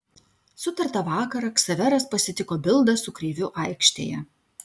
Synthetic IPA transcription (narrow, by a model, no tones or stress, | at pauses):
sʊt̪ɐɾt̪ɐʋɑːkɐɾɐksɐʋʲɛɾɐspɐsʲɪt̪ʲɪkoːbʲɪlˠd̪ɐsʊkɾʲeːʋʲʊʔɐˑɪkʃʲt̪ʲḛːjɛ